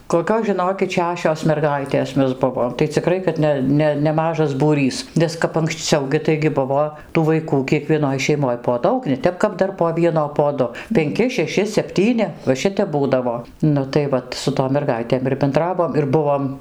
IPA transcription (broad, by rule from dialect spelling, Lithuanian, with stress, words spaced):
koːˈkʲoːs ʒʲɪˈnoːkʲɪt ˈʃʲæːʃʲoːs mʲɛrˈɡɐɪtʲeːs ˈmʲɛs ˈbʊʋoːm tɐɪ t͡sʲɪˈkrɐɪ kɐt ˈnʲɛ ˈnʲɛ nʲɛˈmɑːʒɐs buːˈrʲiːs ˈnʲɛs kɐp ɐŋksʲˈt͡sʲɛʊ ɡʲɪ tɐɪɡʲɪ ˈbʊʋoː tuː ʋɐɪˈkuː kʲiɛkʋʲiɛˈnoːj ʃʲɛɪˈmoːj poː ˈdɐʊk nʲɛ ˈtʲɛp kɐp ˈdɐr poː ˈʋʲiɛnoː poː ˈdʊ pʲɛŋʲˈkʲɪ ʃʲɛˈʃʲɪ sʲɛpʲˈtʲiːnʲɪ ʋɐ ˈʃʲɪtʲɛp ˈbuːdɐʋoː ˈnʊ tɐɪ ˈʋɐt sʊ toːm mʲɛrˈɡɐɪtʲeːm ɪr bʲɛnˈdrɑːʋoːm ɪr ˈbʊʋoːm